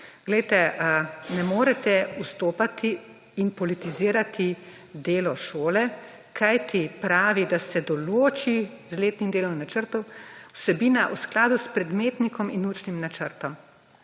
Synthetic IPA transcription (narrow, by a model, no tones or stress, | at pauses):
ɡ̥lɛjt̪ɛnɛmoːɾɛt̪ɛust̪oːpat̪iː | npɔlit̪iziːɾat̪ʰi | d̪eːlɔʃoːlɛ | kʰajt̪ʰipɾaːʋid̪asɛd̪ɔloːt͡ʃi | zleːt̪nimd̪eːlɔmnat͡ʃəɾt̪ɔwwsɛbiːnaʔusklaːd̪uspɾɛd̪meːt̪nikɔminut͡ʃnimnat͡ʃəɾt̪ɔm